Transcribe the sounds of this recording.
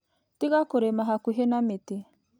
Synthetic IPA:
tiɣakoɾemaɦakuɦenamete

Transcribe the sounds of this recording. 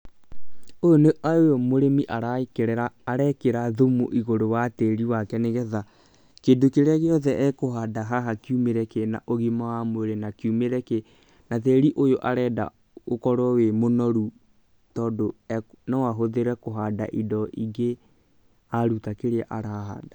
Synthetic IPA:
ojoneʔaojomoɾemiʔaɾaikeɾɛɾaːɾɛkeɾaðomoʔiɣoɾowatɛɾiwakɛneɣɛða | kedokeɾeaɣeɔðɛʔɛkoɦadaɦaɦakjumeɾɛkenaʔoɣimawamoeɾenakjumeɾɛke | natɛɾiʔojoʔaɾɛda̰ | okɔɾwɔwemonɔɾu | tɔːdoɛnɔwaɦoðeɾɛkoɦadaʔidɔʔiɡe | aɾutakeɾeaʔaɾaɦa̰da

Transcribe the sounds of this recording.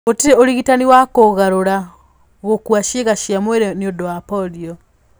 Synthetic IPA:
ɣotiɾeoɾiɣitaniwakoɣaɾoɾa | ɣokwaʃeɣaʃjamweɾeniodoapɔdio

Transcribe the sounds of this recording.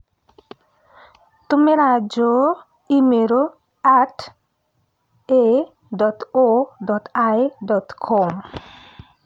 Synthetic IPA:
t̪umeɾad͡ʒo | imeɾo | at | e | dɔtodɔtajdɔt̪kʰɔm

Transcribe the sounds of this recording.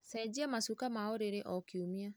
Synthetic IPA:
sɛd͡ʒiamasukamaɔɾeɾeʔɔkiumia

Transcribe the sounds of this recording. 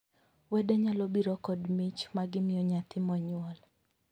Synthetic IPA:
wɛdɛɲalɔbiɾɔkɔdmit͡ʃmaɡɪmɪjɔɲat̪ɪmɔɲwɔl

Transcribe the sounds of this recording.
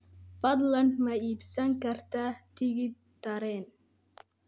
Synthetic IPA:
fɐd̪lɐnd̪mɐiːbsɐŋkɐrt̪ʰaːt̪ʰɪɣɪ | t̪ɐɾɛːn

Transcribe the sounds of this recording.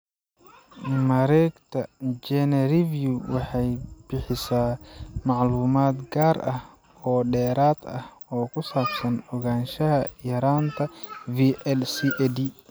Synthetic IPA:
mɐɾɛːɡt̪ʰɐd͡ʒɛnɐrivjuwɑħɑjb̥ɪħɪsaːmɑʕluːmaːd̪ɡaːɾɐh | ɔːɗɛːɾaːd̪ɐhɔːkʰʊsaːbsɐnɔɣaːnʃɐɦɐjɐɾaːnt̪ʰɐviːʔɛlsiʔɛd̪i

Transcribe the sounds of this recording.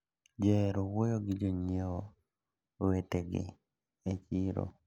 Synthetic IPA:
d͡ʒɛɾowojoɡɪd͡ʒoɲewo | weteɡɪ̰ | et͡ʃiɾo̰

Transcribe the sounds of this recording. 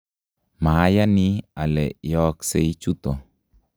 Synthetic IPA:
maɦajanialɛʔjɔkseit͡ʃut̪ɔ

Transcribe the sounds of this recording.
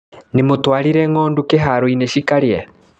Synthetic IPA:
nimotwaːɾiɾɛŋoːndukeɦaɾoineʃikaɾje

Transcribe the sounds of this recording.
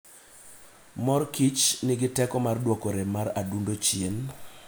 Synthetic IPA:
mɔrkit͡ʃnɪɡɪtɛkɔmardwɔkoɾemaɾadundot͡ʃjen

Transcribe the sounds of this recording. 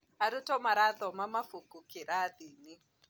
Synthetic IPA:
aɾitɔmaɾaðɔmamafukukiɾadini

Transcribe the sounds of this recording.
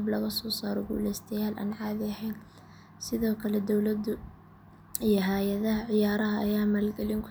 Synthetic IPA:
blɐɣɐsɔːsaːɾɔɡṵːlɛjst̪ʰɛjaːlʔa̰ːnʕɑːðɪɐɦɛjn | sɪðɔːkʰɐlɛd̪ɔwlɐd̪ʊ | ijɞɦaːjɐðɐɦɐʕɪjaːɾɐɦɐːjaːmaːlɡɛlɪŋkʰʊ

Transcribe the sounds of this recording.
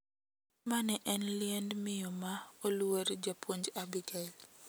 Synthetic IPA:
manɛʔɛnlɪɛndmɪjɔmaoluwəɾd͡ʒapwoɲd͡ʒabiɡal

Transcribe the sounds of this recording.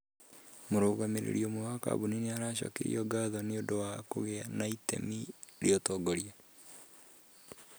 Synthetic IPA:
moɾoːɣameɾḛɾiomowaka̰βunineaɾaːɕa̰kḛḭɔɡaðɔneodowakoɣeanaitɛ̰miɾeɔtɔːɡɔɾia

